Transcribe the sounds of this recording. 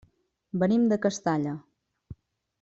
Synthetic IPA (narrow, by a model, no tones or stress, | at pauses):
bənimd̪əkəst̪aʎə